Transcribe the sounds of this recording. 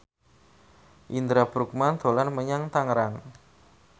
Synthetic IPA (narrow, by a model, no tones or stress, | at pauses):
ʔind̪ɾab̥ɾuk̚mand̪̥o̤lanməɲaŋt̪aŋɾaŋ